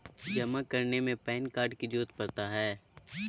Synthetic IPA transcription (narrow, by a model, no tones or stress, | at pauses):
d͡ʒɐmakɐɾnemẽpɛːnkaːɾɖkid͡ʒuːt̪pɐɾt̪aɦɛː